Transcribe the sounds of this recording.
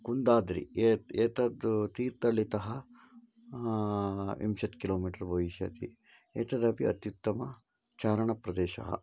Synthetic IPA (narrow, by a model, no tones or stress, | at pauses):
kund̪aːd̪ɾḭeːt̪ɐd̪t̪iːɾt̪ɐɭːit̪ɐɦɐ | ḭmʃɐt̪kiloːmiːʈɐɾbʱɐʋiʃɐt̪ḭ | eːt̪ɐd̪ɐpiɐ̰t̪jut̪ːɐmɐ | t͡ʃaːɾɐɳɐpɾɐd̪eːʃɐ̰ɦɐ̰